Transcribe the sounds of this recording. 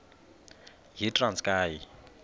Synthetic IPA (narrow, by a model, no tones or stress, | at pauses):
ɦitʼrant͡skʼaːji